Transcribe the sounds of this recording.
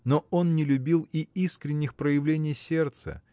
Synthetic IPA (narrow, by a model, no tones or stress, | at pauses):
noonːnʲɪlʲʊbʲilˠiiskɾʲɪnʲːɪxpɾəjɪvlʲenʲɪjsʲe̞rt̪sə̰